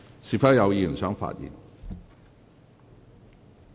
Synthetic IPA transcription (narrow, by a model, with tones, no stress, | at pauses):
si˨fɐ˥jɐ˨˧wjiː˨˧˨sœː˨˥ŋfa̰ː˧t̚jḭː˨˩n